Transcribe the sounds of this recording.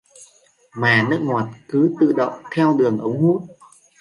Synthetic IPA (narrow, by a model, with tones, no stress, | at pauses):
maː˨˩nɨ˦˥ək̚ŋwaː˨˩t̚kɨ˨˦t̪ɨ̰˧˨ɗə̰˧˨wŋ͡mt̪ʰɛ˧wɗɨ˨˩əŋʔə˨˦wŋ͡mhu˦˥t̚